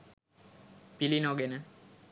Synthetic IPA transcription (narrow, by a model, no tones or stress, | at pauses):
pilinoɡenə